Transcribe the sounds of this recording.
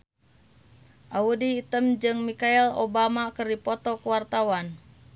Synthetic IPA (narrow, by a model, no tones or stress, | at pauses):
ʔaudiːt̪əmd͡ʒɨŋmikailo̰bamakɨrdipɔt̪ɔkəwart̪awan